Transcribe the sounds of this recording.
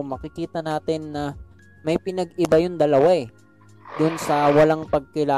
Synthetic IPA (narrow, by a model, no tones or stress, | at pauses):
ŋmɐkɪkiːt̪ɐnaːt̪ɪnːɐ | mɐjpɪnɐɡɪbajʊnd̪ɐlɐwaɛ | d̪ʊnsɐwɐlaŋpɐɡ̚kɪlaː